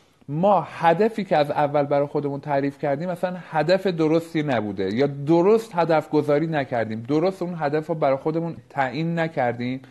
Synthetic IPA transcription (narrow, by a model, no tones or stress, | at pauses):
mɒːhæd̪æfiːcʰeæzævːælbæɾɒːjxo̞d̪e̞muːnt̪ʰæɾiːfcʰæɾd̪iːmæsænhæd̪æfe̞d̪oɾost̪iːnæbuːd̪e̞jɒːd̪oɾost̪hæd̪æfɡozɒːɾiːnæcʰæɾd̪iːmd̪oɾost̪uːnɦæd̪æfɾɔːbæɾɒːjxod̪e̞munt̪ʰæʔiːnːæcʰæɾd̪iːm